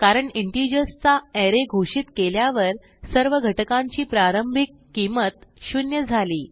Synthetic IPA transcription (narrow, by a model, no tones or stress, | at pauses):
kaɾəɳiɳʈid͡ʑəst͡saɛɾeɡʱoʂiːt̪keljaʋəɾ | səɾʋəɡʱəʈəkãɲt͡ɕiːpɾaɾəmbʱikːimət̪ɕunjəd͡zʱaliː